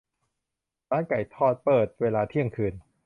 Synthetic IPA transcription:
ɾaː˦˥nka˨˩jt̪ʰɔː˥˩t̪̚pɤː˨˩t̪̚weː˧laː˧t̪ʰi˥˩əŋkʰɯː˧n

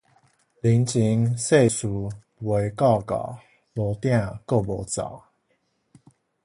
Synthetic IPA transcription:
li˨˦nt͡ɕi˧˦ŋse˥˨˩ɪsu˨˩ | we˨˦ɪkɑ˥˩ʊkɑ̰˨˩ | lɔ˧˦t̪ja˥˧˨ko˥˩ʊlɔ˧˥t͡sɑ̰˨˩˦

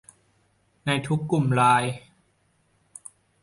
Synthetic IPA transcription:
na˧jt̪ʰu˦˥kːu˨˩mɾaː˧j

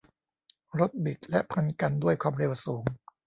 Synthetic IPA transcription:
ɾo˦˥t̪̚bi˨˩t̪̚lɛ˦˥ʔpʰa˧nka˧ndu˥˩əjkʰwaː˧mɾe˧wsuː˩˦ŋ

